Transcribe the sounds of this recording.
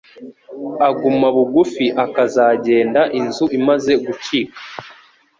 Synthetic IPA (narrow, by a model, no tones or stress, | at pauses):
aɡumaβuɡufiʔakazaːɟe̞ːndaʔinzuʔimaze̞ɡuciːkḁ